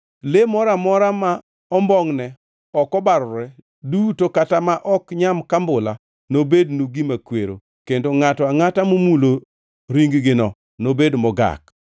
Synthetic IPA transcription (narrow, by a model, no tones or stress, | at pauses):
lemɔɾamɔɾama | ɔmbɔŋnɛ | ɔkɔbaɾʊɾɛ | dutokatamaʔɔkɲamkambʊla | nobednuɡimakweɾo̰ | kendoŋatɔaŋatamomulo | ɾiŋɡɡɪnɔ | nobedmɔɡa̰k